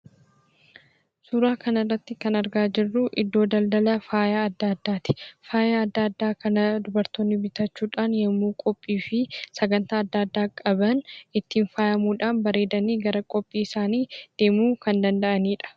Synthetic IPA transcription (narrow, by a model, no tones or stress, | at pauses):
suːɾaːkɐnɐrːɐt̪ːɪkɐnɐɾɡaːd͡ʒɪrːuʔɪd̪ːo̞ːd̪ɐld̪ɐlɐfaːjaːɐd̪ːaːd̪ːaːt̪ɪ̥faːjaɐd̪ːaːɐd̪ːaːkɐnɐd̪ʊbɐɾt̪oːnːɪbɪt̪ɐt͡ʃːuːᶑaːnjɛmːuːkʼɔpʼːiːfɪsɐɡɐnt̪aːɐd̪ːaːɐd̪ːaːkʼɐbɐnɪt̪ːiːnfaːjɐmuːᶑaːnbɐɾe̞ːd̪ɐniːɡɐɾɐkʼɔpʼːiːɪsaːniːd̪̥e̞ːmuːkɐnd̪ɐnd̪ɐʔɐniːᶑɐ̥